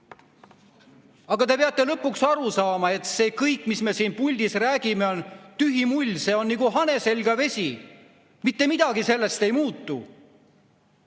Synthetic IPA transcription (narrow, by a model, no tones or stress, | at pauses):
ɑɡ̥ɑt̪e̞peɑt̪ˑːe̞lɤpːˑuksɑɾusɑːmɑe̞t̪se̞ːkɤjkːˑmisme̞siːnpulʲd̪̥isræːɡ̥ime̞ont̪yɦimulʲse̞ːo̞nniɡ̥uɦɑne̞se̞lʲɡ̥ɑve̞sʲi | mit̪ːe̞mid̪̥ɑɡise̞lːe̞st̪e̞jmuːt̪ːˑṵ